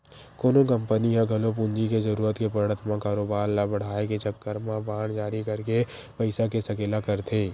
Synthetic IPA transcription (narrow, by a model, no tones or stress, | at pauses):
koːnõkɐ̃mpəniɦãɡʱɐlop̬ʊ̃nd͡ʒikezɐɾuːɾət̪kepɐɾɽ̃ət̪ʰmãkaːɾoːbaːɾlabɐɽ̤aːeket͡ʃəkːəɾmãbaːɽ̃d͡ʒaːɾikɐɾke | pɐɪsakesɐkeːlakɐɾt̪ʰeː